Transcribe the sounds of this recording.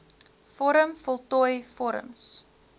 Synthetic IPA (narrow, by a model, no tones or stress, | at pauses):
fɔɾəmfɔlˠtɔjfɔɾə̰ms